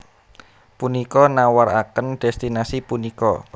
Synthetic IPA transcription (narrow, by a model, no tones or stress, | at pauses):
punikɔnawaɾa̰kənɖ̥ɛ̤st̪inasipunikɔ̰